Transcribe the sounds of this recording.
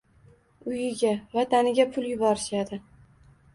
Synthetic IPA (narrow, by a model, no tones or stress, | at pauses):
ʊjɪɡʲavat̪ʰanɪɡʲapʰʊlˠjʊbɒɾɪʃad̪ɪ